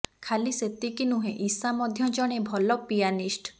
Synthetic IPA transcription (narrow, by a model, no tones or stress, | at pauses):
kʰaliset̪ikinuɦẽʔisamɔd̪ʱjɔd͡ʒɔɽ̃ebʱɔlɔpijanisʈ